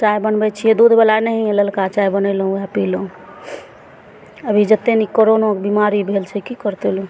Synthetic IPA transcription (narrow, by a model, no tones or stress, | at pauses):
t͡ʃajbənbɛt͡ʃʰijed̪ud̪ʱbelanəɦĩeləlkat͡ʃajbənɛlɦũɛpilɦũ | əbʱid͡ʒət̪ːenikoɾonokebimaɾibʱelt͡ʃʰɛkikəɾt̪elũ